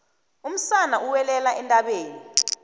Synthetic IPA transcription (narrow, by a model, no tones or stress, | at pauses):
um̩sanaʔuwɛlɛlaʔɛntʼaɓeːni